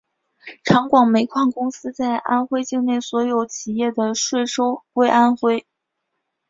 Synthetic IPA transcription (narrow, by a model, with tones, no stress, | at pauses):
ʈ͡ʂʰɑ˧˥ŋkwɑ˨˩ŋme˧˥ɪkʰwa˥˩nkʊ˥ŋsɹ̩˥t͡sa˥˩ɪʔa̰˥nxwe˥ɪt͡ɕi˥˧ŋne˥˩ɪswɔ˧˥jo˨˩ʊt͡ɕʰi˨˩jɛ˥˩d̪ə˩ʂwe˥˩ɪʂo˥ʊwe˥ɪʔa˥nxwe˥ɪ